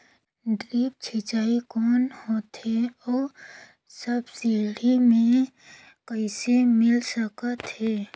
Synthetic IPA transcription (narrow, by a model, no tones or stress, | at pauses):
ɖɾiːp̚t͡ʃʰɪt͡ʃaːikɔːnhoːt̪ɦɛɔːɾ | səbseːɽ̤imẽ | kəisemɪlsəkət̪hɦɛː